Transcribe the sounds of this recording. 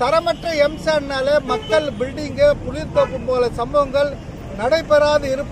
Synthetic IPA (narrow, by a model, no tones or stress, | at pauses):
t̪ɐɾɐmɐʈrɐɛmsaːnnaːlemɐkːɐɭbɪlɖɪŋɡɯpʊlɪɾt̪ɐpːɯmpoːlɐsɐmbɐʋɐŋɡɐɭ | nɐɽɐɪpːɛɾaːðɯɪɾɯpː